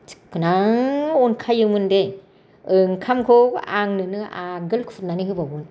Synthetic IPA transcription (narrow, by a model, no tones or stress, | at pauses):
t͡ʃkʰɯnaŋɔnkʰajɯmɯnde | ɯŋkʰamkʰɔa̰ŋnɯnɯʔaɡɯlkʰut̚naniɦɯbabɯn